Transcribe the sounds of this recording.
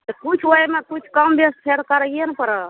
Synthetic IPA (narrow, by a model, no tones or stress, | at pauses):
t̪əkut͡ʃʰoemekut͡ʃʰkəmbespʰeɾkəɾəɡenpəɾə